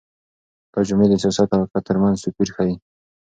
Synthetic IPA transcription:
t̪ad͡ʒʊmed̪əsjɑsat̪awakat̪əɾmanzsʊpiɾxai

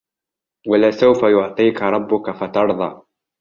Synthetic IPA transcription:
walasawfajʊʕt̪ˤiːkaɾˤɑbːʊkafat̪ɑɾˤðˤɑ̰ː

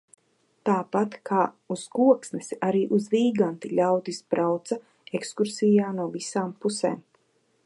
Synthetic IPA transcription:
t̪aːpat̪kaː | uskuɔksnɛsaɾiːʔuzviːɡant̪iʎʲawt̪ispɾawt̪sa | ekskuɾsijaːnuɔvisaːmpusɛ̰ːm

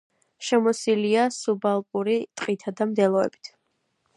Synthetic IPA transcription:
ʃɛmɔsiliasubalˠpʼuɾit̪ʼqʼit̪ʰad̪amd̪ɛlˠɔɛ̰b̥i̥t̪ʰ

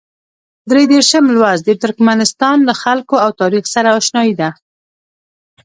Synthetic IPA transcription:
d̪ɾed̪eɾʃəmlwɑzd̪et̪ʊɾkmanɪst̪ɑnlaxalkoawt̪ɑɾixsaɾaːʃnɑjid̪a

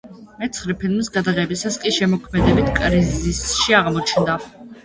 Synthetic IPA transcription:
mɛt̪sʰχɾɛpʰilˠmisɡad̪aʁɛbisaskʼiʃɛmɔkʰmɛd̪ɛbit̪ʰkʼɾizisʃiaʁmɔt͡ʃʰnd̪a

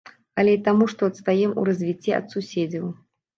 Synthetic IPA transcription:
ɐlʲɛit̪amuʂt̪ɔɐt̪st̪ajɛmṵɾɐzʲvʲit͡sʲːɛ̰ɐ̰t̪susʲed͡zʲɐw

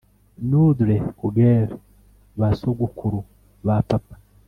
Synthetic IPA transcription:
nuduɾekuɡeɾe | βasoɡukuɾu | βapapḁ

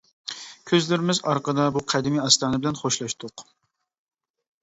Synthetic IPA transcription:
kʲʰøzlɪɾɪmɪzɑɾqəd̪ɑbuqʰɛd̪ɪmiɑst̪ɑːnɨbɪlɛnχoʃlˠɑʃt̪ʊq

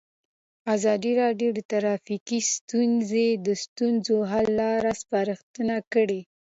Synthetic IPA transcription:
azɑd̪iɾɑɖjod̪ət̪aɾɑfikist̪unzed̪əst̪unzoɦalːɑɾaspaɾəxt̪ənakəɽe

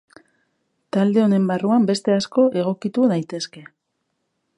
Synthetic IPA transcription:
t̪ald̪e̞o̞ne̞mbaruambe̞st̪e̞asko̞ʔe̞ɣ̞o̞kit̪uðajt̪e̞ske̞

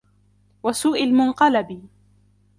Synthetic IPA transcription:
wasuːʔalmʊnqɑlab

